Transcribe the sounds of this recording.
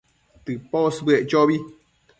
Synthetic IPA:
t̪ɨposbɨeʔt͡ʃoβi

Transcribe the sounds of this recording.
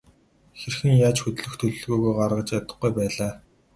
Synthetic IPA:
xerxniːjaːt͡ɕxɵt̪ɮɵ̆xt̪ʰɵɮɵ̆ɮɣujɣojɢarʁə̆t͡ɕjat̪ə̆χɡujpæːɮaː

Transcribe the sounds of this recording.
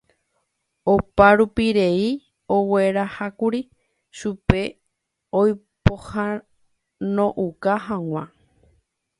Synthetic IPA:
opaɾupiɾe̞i | o̞we̞ɾahakuɾi | ʃupe̞ | oj | poha | nõʔukaɦãw̃ã

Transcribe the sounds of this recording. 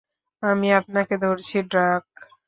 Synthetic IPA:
amiapnaked̪ʱoɾt͡ɕʰiɖɾak

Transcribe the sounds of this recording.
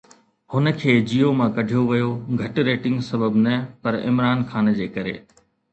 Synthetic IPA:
hʊnə̆kʰeːd͡ʑiːomãkɐɖʱijoʋijoɡʱɐʈɾeːʈɪ̃ŋɡsɐbəbnɐpɐɾɪ̰mɾaːnxaːnd͡ʑeːkɐɾḛː

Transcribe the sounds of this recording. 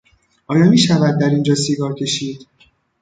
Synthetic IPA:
ʔɒːjɒːmiːʃævæd̪̚ːæɾind͡ʒɒːsiɡɒːɾcʰe̞ʃiːd̪̥

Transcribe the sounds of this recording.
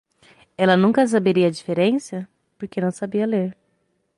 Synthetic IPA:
ɛlɐnũŋkɐs̬abeɾiɐd͡ʒifeɾẽsɐ | poɾkenɐ̃w̃sabiɐleɾ

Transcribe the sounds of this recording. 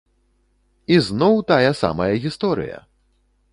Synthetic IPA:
iznɔwt̪ajɐsa̰mɐjɐɣʲist̪ɔɾɨ̰jɐ̰

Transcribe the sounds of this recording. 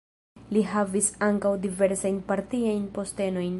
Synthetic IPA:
liɦavisaŋkawdive̞ɾsajnpaɾtiajnpo̞ste̞no̞jn

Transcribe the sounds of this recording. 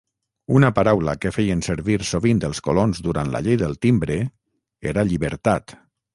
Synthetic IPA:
unəpaɾawləkəfejənsəɾβiɾsoβind̪əlˠskolonzd̪uɾant̪la̰ʎejðəlˠt̪imbɾe | eɾaʎiβəɾt̪at̪

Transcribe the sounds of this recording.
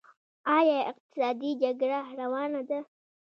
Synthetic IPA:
ɑjɑɪ̰q̚t̪ɪ̥sɑd̪id͡ʒaɡɽaɾawɑnad̪a

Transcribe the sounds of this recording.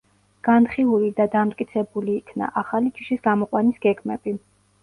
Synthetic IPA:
ɡ̥anχiulid̪ad̪amt̪ʼkʼit̪sʰɛbuliːkʰna̰ʔaχalid͡ʒʰiʃisɡamɔqʼwanisɡ̥ɛɡmɛb̥i

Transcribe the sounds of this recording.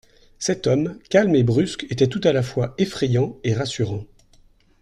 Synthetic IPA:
sɛt̪ɔmkʲalmebʁysket̪ɛt̪ut̪alafwaefχɛjɑ̃eʁasyʁɑ̃

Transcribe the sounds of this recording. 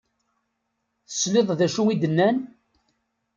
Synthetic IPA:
θə̥sleðˤðæʃuwid̪ənːæn

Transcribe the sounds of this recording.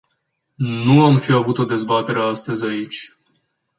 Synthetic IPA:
nuamfiavut̪o̞d̪e̞zbat̪e̞ɾeast̪əzʲait͡ʃʲ

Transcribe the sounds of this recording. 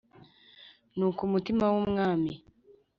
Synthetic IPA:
nuːkumutimawomŋaːmi

